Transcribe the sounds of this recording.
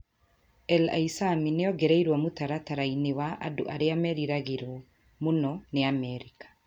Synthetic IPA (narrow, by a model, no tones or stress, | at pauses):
ɛla̰isamineɔɡɛɾɛiɾwɔmutaɾataɾainewaʔa̰do̰ʔaɾeamɛɾiɾaɣeɾwɔ | monɔneamɛɾikḁ